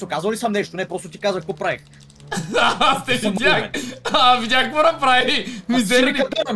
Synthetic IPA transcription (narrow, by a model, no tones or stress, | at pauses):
okazvəlisɐmnɛʃt̪onɛpɾɔst̪ot̪i̥kazvəxkopɾaɛx | at̪ɛvʲaxɛ̰avidʲaxmonɐpɾaimizɛɾiɐt̪ənɐ